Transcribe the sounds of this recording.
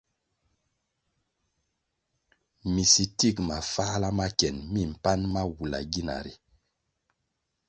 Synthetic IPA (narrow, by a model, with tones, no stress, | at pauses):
mi˨si˨ti˦˨kma˨fa˦la˦ma˦kɛ˨nmi˦˨m̩˨pa˦nma˦wu˨la̰˨ɡi˦na̰˨ɾi˨